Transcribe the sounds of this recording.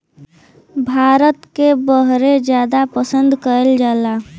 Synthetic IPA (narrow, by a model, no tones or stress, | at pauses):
bʱaːɾət̪kebəɦɾed͡ʒjaːd̪apəsə̃nd̪kəəld͡ʒaːla